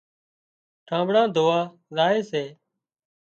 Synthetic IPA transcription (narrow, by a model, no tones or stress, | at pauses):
ʈʰãːmbɽãːd̪ʱoːaː | zaːeːseː